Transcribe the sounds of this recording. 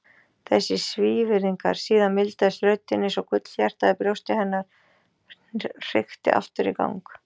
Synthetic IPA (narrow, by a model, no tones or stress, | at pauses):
θɛsːɪsviːvɪɾiŋka̰ɾ̥siːðanmɪlt̪aðɪsɾœːɥt̪ɪnːɪsɔkʰʏt̪l̥çɛr̥t̪aðɪpɾjowst̪ɪhɛnːaɾ̥ | r̥ɪxt̪ɪ̰ʔa̰ft̪ʏɾḭka̰wŋk